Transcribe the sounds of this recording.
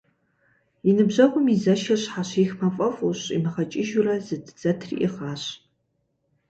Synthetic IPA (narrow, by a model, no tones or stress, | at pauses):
inɨbʑɐʁʷʼʊmizɐʃɐɕħaːɕixmɐfʼɐfʼuɕḭmɐχɐt͡ʃʼɪʒʊrɐzɨdd͡zɐtʰrḭʔɪχaːɕ